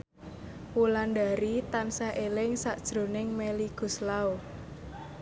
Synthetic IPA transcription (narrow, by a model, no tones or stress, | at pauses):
wulandaɾit̪ansaʔelɪŋsaʔd̥ʒ̥ɾo̤nɪŋmeliɡ̥ṳslao